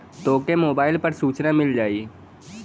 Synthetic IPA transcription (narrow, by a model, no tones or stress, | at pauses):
t̪oːkemoːbaːɪlpɐɾsuːt͡ʃnamɪld͡ʒaːiː